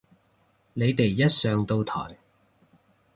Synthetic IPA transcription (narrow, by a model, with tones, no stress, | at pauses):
ne˨˧jt̪e˨jːɐ˥t̚sœː˨˧ŋt̪o˧wt̪ʰɔ̰ː˨˩j